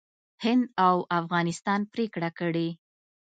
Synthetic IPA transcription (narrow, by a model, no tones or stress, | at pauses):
hɪnd̪awʔafɣɑnɪst̪ɑnpɾekɽakəɽe